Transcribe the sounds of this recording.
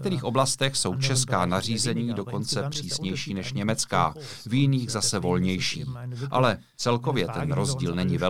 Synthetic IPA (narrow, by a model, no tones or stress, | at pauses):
k̚t̪ɛɾiːxʔo̞blast̪ɛxso̞wt͡ʃɛskaːnar̝iːzɛɲiːdo̞ko̞nt͡sɛpr̝̥iːsɲɛjʃiːnɛʃɲɛmɛt͡ska̰ː | vjɪniːɣzasɛvo̞lɲɛjʃḭːmʔa̰lɛ | t͡sɛlko̞vjɛt̪ɛnɾo̞zɟiːlnɛɲɪvɛ